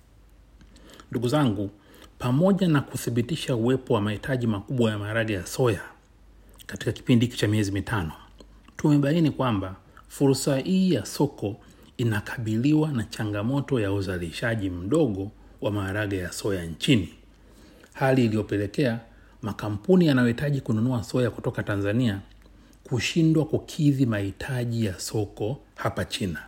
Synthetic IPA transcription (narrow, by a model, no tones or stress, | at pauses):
nduɡuzaŋɡu | pamɔʄanakuθiɓitiʃauwɛpɔwamahitʰaʄimakuɓwajamaːɾaɡajasɔja | kati̥kaki̥pindiki̥t͡ʃamiɛzimitʰanɔ | tumɛɓainikwamba | fuɾsahiːjasɔkɔ | inakʰḁɓiliwanat͡ʃaŋɡamɔtɔjauzaliʃaʄim̩ɗɔɠɔ | wamaːɾaɠajasɔjaɲt͡ʃini | haliːlijɔpɛlɛkɛa | makam̩punijanajɔhitaʄikununuasɔjaku̥tɔkatanzania | kuʃindwakukʰiðimahitʰaʄijasɔkɔ | hapat͡ʃina